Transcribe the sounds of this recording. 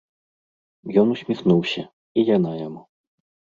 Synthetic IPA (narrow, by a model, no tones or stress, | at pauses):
jɔnusʲmʲixnuwsʲɐ | ijanajamu